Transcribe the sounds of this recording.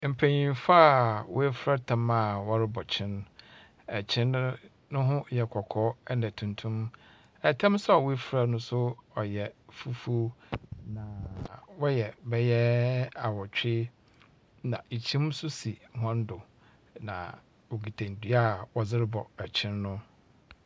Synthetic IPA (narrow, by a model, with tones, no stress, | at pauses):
m̩˨pʰæ̃˨ɲĩ˨mfa˦˨wʊ̰˦æ˦fɾa˦tʰã˨ma˨wɔ˦ɾɪ˦bɔ˨t͡ɕʰɪ̃˦n˦ | æ˨t͡ɕʰɪ̃˦n | nʊ̃˦ɦʊ̃˦jɛ˨kʰɔ˨kʰɔː˨˦ɛ˦nã˨tʰũ˨ntʰũ˦m | ɛ˨tʰã˦m˦sa˨wʊ˦e˦fɾa˦nʊ̃˦sʊ˦ɔ˨jɛ˨fu˦fu˦nã˨wɔ˦jɛ˨bɛ˦jɛ˦a˨wɔ˨t͡ɕᶣɪ˦ | nã˨i˨t͡ɕʰĩ˦m˦sʊ˦si˨hɔ̃˦n˦dʊ˨ | nã̰˨ | wo˨ɡi˨tʰã˨n˨dɥa˦˨wɔ˨zɪ˦ɾɪ˦bɔ˨æ˨t͡ɕʰɪ̃˦nːʊ̃˦